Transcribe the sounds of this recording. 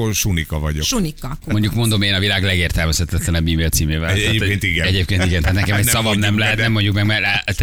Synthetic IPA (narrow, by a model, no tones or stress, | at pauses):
oʃunikɒvɒɟoʃunikːɒmo̞ɲɟukmo̞nd̪o̞meːnɒvilaːɡlɛɡeːrt̪ɛlmɛsɛt̪ːɛt̪lɛnɛmbiːmiɒt̪siːmeːvɛlekeːnt̪iɡɛɛɟeːp̚keːnt̪iɡɛnt̪aːt̪nɛtkɛmɛcsɒvɒmnɛmlɛɦɛt̪nɛmːo̞ɲɟukmɛɡmɛɾ